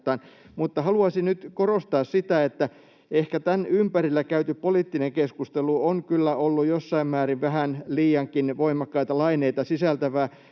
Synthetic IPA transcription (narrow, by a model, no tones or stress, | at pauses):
t̪ːˑɑːnmut̪ːɑhɑluɑsinnyt̪korost̪ɑːssit̪æet̪ːæ | ehkæt̪ænympærilːækæyt̪yppoliˑt̪ːineŋkeskust̪eluoŋkylːæolːujjosːɑimmæːriʋʋæhænliːjɑŋkinʋoimɑkːɑit̪ɑlɑineit̪ɑsisælt̪æʋæː